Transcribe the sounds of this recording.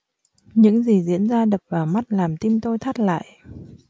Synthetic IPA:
ɲɨ̰˧˥ŋzi˨˩zḭ˧˥ənzaː˧ɗə˨˩p̚vaː˨˩ma˦˥t̚laː˨˩mt̪i˧mt̪o˧jt̪ʰa˦˥t̚la̰ː˧˨jʔ

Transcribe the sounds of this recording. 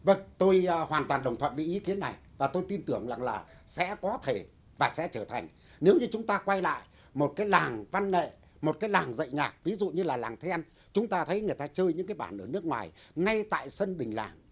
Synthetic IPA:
və˧ŋt̪o˧jhwaː˨˩nt̪waː˨˩nɗə˨˩ŋ͡mt̪ʰə̰˧˨nvḭ˨˧˩ʔi˨˦ki˨˦ənːa˨˩jvaː˨˩t̪o˧jt̪i˧nt̪ɨ˨˧˩əŋza˨˩ŋlaː˨˩sɛ̰˧˥kɔ˨˦t̪ʰe˧˩ | vaː˨˩sɛ̰˧˥t͡ɕəː˧˩t̪ʰa˨˩jŋ̟ | ne˨˦wɲɨ˧t͡ɕʊ˨˦ŋ͡mt̪aː˧kwa˧jla̰ː˧˨j | mo˨˩t̚kaː˨˦jlaː˨˩ŋva˧nŋḛ˧˨ | mo˨˩t̚kaː˨˦jlaː˨˩ŋzə̰˧˨jŋaː˨˩k̚vi˨˦zṵ˧˨ɲɨ˧laː˨˩laː˨˩ŋt̪ʰɛ˧n | t͡ɕʊ˨˦ŋ͡mt̪aː˧t̪ʰə˨˦jŋɨ˨˩əjt̪aː˧t͡ɕəː˧jɲɨ̰˧˥ŋkaː˨˦jɓaː˧˩nʔəː˧˩nɨ˦˥ək̚ŋwaː˨˩j | ŋa˧jt̪a̰ː˧˨jsə˧nɗï˨˩ŋ̟la̰ː˨˩ŋ

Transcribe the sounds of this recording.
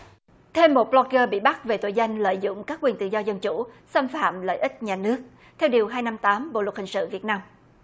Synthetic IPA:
t̪ʰe˧mːo˨˩t̚ɓlɔ˧kəː˧ɓḭ˧˨ɓa˦˥t̚ve˨˩t̪o˧˩jza˧jŋ̟lə̰ː˧˨jzʊ̰˧˨ŋ͡mkaː˦˥k̚ːwi˨˩nt̪ɨ̰˧˨zɔ˧zə˧nt͡ɕṵ˧˩sa˧mfa̰ː˧˨mlə̰ː˧˨jʔï˦˥t̟̚ɲaː˨˩nɨ˦˥ək̚ | t̪ʰɛ˧wɗi˨˩əwɦaː˧jna˧mt̪aː˨˦mɓo̰˧˨lwt̚hï˨˩ŋ̟sɨ̰˧˨vi˨˩ət̚naː˧m

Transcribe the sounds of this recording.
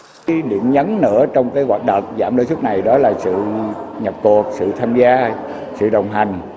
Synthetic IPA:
lḭ˧˨ənɲə˨˦nnɨ̰˧˥ət͡ɕɔ˧wŋ͡mkaː˨˦jɣwaː˨˩t̚ɗə̰˨˩wŋ͡m̚zaː˧˩mɗəː˧˦su˦˥t̚na˨˩jɗɔ˨˦laː˨˩sɨ̰˧˨ɲə˨˩p̚ku˨˩ət̚sɨ̰˧˨t̪ʰaː˧mzaː˧ | sɨ̰˧˨ɗə˨˩wŋ͡mɦa˨˩jŋ̟

